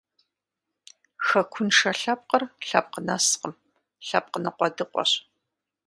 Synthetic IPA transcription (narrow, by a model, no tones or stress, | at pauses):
xɐkʷʰʊnʂɐɬɐp̚qərɬɐp̚qənɐsqəm | ɬɐp̚qənɐqʷɔdɨqʷʼɔ̰ɕ